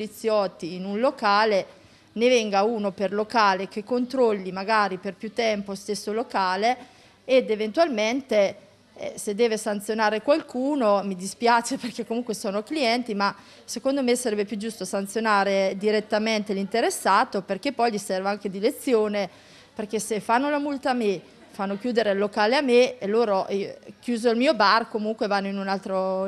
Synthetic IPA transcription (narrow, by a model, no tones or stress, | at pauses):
polit̪sjɔt̪ːiːnunlokaːle | nevɛŋɡauːnoperlokaːlekekːont̪ɾolːimaɡaːɾiperpjut̪ːɛmpost̪esːolokaːleː | d̪event̪walment̪e | ɛ̰sed̪ːɛːvesant̪sjonaːɾekwalkuːnomid̪ispjaːt͡ʃeperkekːomuŋkwesoːnokliɛnt̪ima | sekond̪omesaɾɛbepjud͡ʒːust̪oasant̪sjonaːɾed̪iɾet̪ːament̪elint̪eɾesːaːt̪operk̟epːɔjʎisɛrvaaŋk̟ed̪ilet̪sːjoːne | perk̟esefanːolamult̪aːme | fanːokjuːd̪eɾelːokaːleamːeelːoːɾok̟juːzoilmiːobarkomuŋkwevanːoinunalt̪ɾo